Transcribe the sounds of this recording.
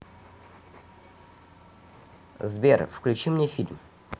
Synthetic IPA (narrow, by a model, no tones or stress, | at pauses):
zbʲerfklʲʉt͡ɕimnʲefʲilʲm